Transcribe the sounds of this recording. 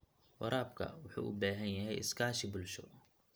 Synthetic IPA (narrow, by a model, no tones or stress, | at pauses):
wɐ̰ɾʔaːbkʰɐ̰wʊħṵːʔʊbaːɦɐnjɐɦɛjɪskʰaːʃɪbʊlʃɔ